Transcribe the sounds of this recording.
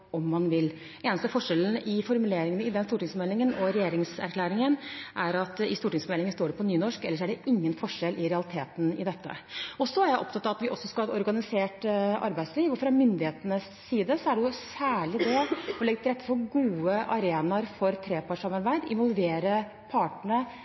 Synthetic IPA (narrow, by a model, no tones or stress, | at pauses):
ɔmːɑnʋɪl | eːnəst̪əfɔʂɛln̩ʔɪfɔɾmʉleːɾɪŋənəɪd̪ɛnst̪uːʈɪŋsmɛlɪŋənɔɾɛjeːɾɪŋsæ̰ɾkʰlæːɾɪŋənʔæɾɑt̪ɪst̪uːʈɪŋsmɛlɪŋənst̪oːɖɛpʰɔnyːnɔʂkɛlːəʂæɖɛʔɪŋːənfɔʂɛlʔɪɾɛɑlɪt̪ʰeːt̪n̩ɪ̰d̪ɛt̪ʰːə̰ɔsɔɑɾjæɪʔɔ̰p̚t̪ʰɑt̪ːɑʋɑt̪ʋɪʔɔsːɔskɑlɛt̪ɔɾɡɑnɪseːʈɑ̰ɾbæɪsliːʋɔfɾɑmʏnd̪ɪheːt̪ənəsːiːd̪əsɔæɖɛjʊsæːɭɪd̪ɛɔlɛɡət̪ɪlɾɛt̪ːə̥pʰɔɡuːəʔɑɾeːnɑɾfɔɾt̪ʰɾeːpʰɑːʈʂɑmɑɾbæɪd̪ɪ̰nʋɔlˠʋeːɾə | pʰɑːʈɳə